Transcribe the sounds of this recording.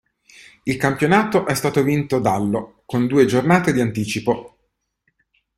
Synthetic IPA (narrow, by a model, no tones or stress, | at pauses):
ilkampjonaːt̪oʔɛst̪aːt̪ovint̪od̪alːo | kond̪uːed͡ʒornaːt̪ed̪iant̪iːt͡ʃipo